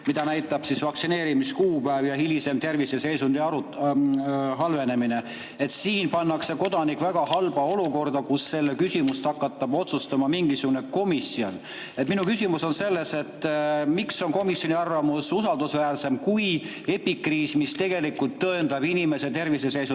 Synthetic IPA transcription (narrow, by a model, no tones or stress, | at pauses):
mid̪ɑnæjt̪ːˑɑb̥sisvɑk̚sine̞ːɾimiskuːpæevjɑhilise̞mt̪e̞rvise̞se̞jsund̪iɑu | ɦɑlve̞ne̞mine̞ | e̞t̪siːnpɑnːɑkse̞ko̞d̪ɑnikˑvæɡ̥ɑhɑlb̥ɑo̞luko̞rd̪̥ɑkusːe̞lːe̞kysimust̪ɑkːɑt̪ːɑb̥o̞t̪sust̪ɑmɑmiŋɡisuɡune̞ko̞misio̞n | et̪ːminukysʲimuso̞nse̞lːe̞se̞t̪ːmikso̞nko̞misjo̞niɑrvɑmususɑld̪usvæːlse̞mkuj | e̞pːikriːsmist̪e̞ɡ̥e̞likult̪ːɤend̪ɑb̥inʲime̞se̞t̪e̞rvisese̞jsu